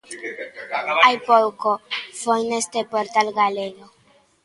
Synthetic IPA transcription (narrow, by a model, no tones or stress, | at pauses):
ajpolkofojnest̪epoɾtalɡalelo